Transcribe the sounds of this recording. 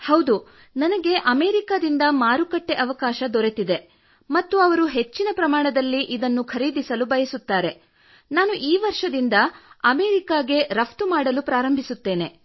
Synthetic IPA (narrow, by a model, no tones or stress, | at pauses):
hɐwd̪u | nɐnɐɡe̞ʔɐmeːɾikaːd̪ind̪ɐmaːɾukɐʈːe̞ʔɐʋɐkaːʃɐd̪ɔɾe̞t̪id̪e̞ | mɐt̪ːuɐʋɐɾuɦe̞t͡ʃːinɐpɾɐmaːɳɐd̪ɐlːiʔid̪ɐnːukʰɐɾiːd̪isɐlubɐjɐsut̪ːaːɾe̞ | naːnuʔiːʋɐɾʂɐd̪ind̪ɐɐmeːɾikaːɡe̞ɾɐpt̪umaːɽɐlupɾaːɾɐmbʱisut̪ːe̞ːne̞